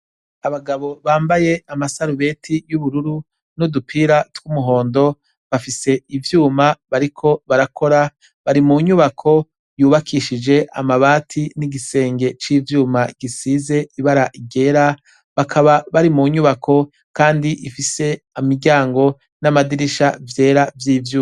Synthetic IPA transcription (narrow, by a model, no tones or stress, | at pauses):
aβaɡaβo̞βaːmbaje̞amasaɾuβe̞tʰijuβuɾuɾu | nudupʰiɾatwumuɦo̞ːndo̞ | βafise̞ivjuːmaβaɾikʰo̞βaɾakʰo̞ɾa | βaɾimuɲuβakʰo̞ | juːβakʰiʃid͡ʒe̞ʔa̰maβaːtʰiniɡise̞ːŋɡe̞t͡ʃiːvjuːmaɡ̥isize̞iβaɾaʔiɡe̞ɾa | βakʰaβaβaɾimuɲuβakʰo̞ | kaːndiʔifise̞ | amiɟaːŋɡo̞ | namadiɾiʃavje̞ːɾavjiːvjuːa